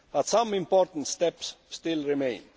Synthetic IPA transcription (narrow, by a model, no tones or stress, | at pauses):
b̥at̪sʌ̃mɪ̃mpɔɾt̪ən̩t̪st̪ɛpsːt̪ɪlˠɹɪmẽɪ̃n